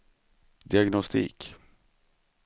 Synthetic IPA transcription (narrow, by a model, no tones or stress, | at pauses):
d̪ɪaɡnɔst̪ʰḭːk